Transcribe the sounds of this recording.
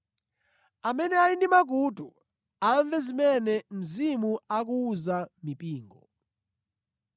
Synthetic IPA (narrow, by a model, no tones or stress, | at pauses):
amɛnɛaindimak̬utṵ | aɱvɛzimɛnɛm̩zimuak̬uːzamipʼiːŋɡɔ̰